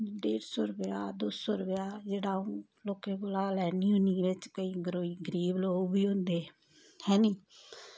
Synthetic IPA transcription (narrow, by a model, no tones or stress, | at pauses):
ɖeːɾsɔːɾəpjaːd̪oːsɔːɾəpjaːd͡ʒeːɽaːõː | loːkẽːɡʊlaːlɛːniːɦʊniːʋɪt͡ʃkəiːɡəɾoːiːɡəɾiːbloːɡbiːɦʊ̃nd̪eː | hɛ̃ːnĩː